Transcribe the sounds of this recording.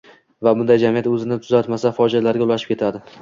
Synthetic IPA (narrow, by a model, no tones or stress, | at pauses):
vabʊnd̪ajd͡ʒamijat̪ɵzɪnɪt̪ʰʊzat̪masafɒd͡ʒalaɾɡʲaʊlaʃɪp̚kʲe̞t̪ʰad̪ɪ